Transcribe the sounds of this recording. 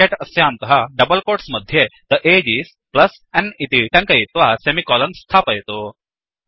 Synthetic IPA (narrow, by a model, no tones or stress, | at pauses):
eʈəsjant̪əɦaɖəbəlkoʈsməd̪ʱːjed̪əʔed͡ʑiːs | pləs | ɛnit̪iʈɐ̃ŋkəjit̪ʋasemikɔlənst̪ʰapəjt̪o